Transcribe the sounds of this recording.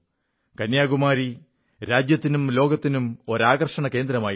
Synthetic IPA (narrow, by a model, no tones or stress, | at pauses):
kɐnjaːɡumaːɾi | ɾaːd͡ʑjɐt̪ːinumlo̞ːɡɐt̪ːinumo̞ɾaːɣɐrʂɐɳɐke̞ːnd̪ɾɐmaːj